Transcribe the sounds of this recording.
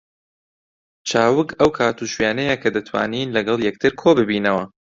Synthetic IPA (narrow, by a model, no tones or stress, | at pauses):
t͡ʃʰaːwɨkɐwkʰaːt̪uːʃwɥjaːnɛjɐkʰɐd̪ɐt̪ʰwa̰ːniːnlɐɡɐlˠjɛk̚t̪ʰɨɾkʰoːbɨbiːnɐwɐ